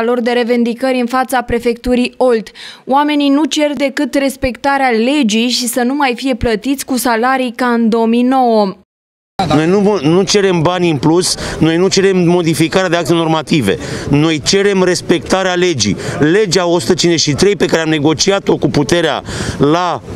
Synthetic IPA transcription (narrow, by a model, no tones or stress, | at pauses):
alo̞rd̪e̞ɾe̞vend̪ikəɾʲɨnfat̪sapɾe̞fe̞k̚t̪uɾijo̞lt̪owame̞ninut͡ʃe̞rd̪e̞kɨt̪re̞spe̞kt̪aɾeale̞d͡ʒijʃisənumajfije̞plət̪it̪sʲkusalaɾijkaɨnd̪o̞omijno̞wə | no̞jnunut͡ʃe̞ɾe̞mbanʲɨnplusno̞jnut͡ʃe̞ɾe̞mːo̞d̪ifikaɾead̪eakt̪eno̞rmat̪ive̞̰no̞jt͡ʃe̞ɾe̞mɾe̞spe̞k̚t̪aɾeale̞d͡ʒḭjle̞d͡ʒao̞su̥t̪ət͡ʃinzeʃit̪ɾe̞jpekaɾeamne̞ɡo̞t͡ʃiat̪o̞kuput̪e̞ɾea̰la